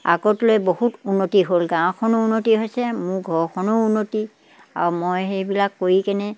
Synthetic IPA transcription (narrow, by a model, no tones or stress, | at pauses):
a̰ɡɔtlojbohutunːotiɦolɡãw̃kʰɔnounːotiɦojsɛmʊɹɡʱɔɹkʰɔnounːoti | a̰ɹumojɦejbilakːojikɛnɛ